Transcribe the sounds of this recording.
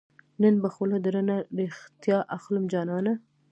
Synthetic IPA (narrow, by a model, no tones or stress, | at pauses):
nənbəxʊlad̪ɾənaɾext̪jɑʔaxlʊmd͡ʒɑnɑna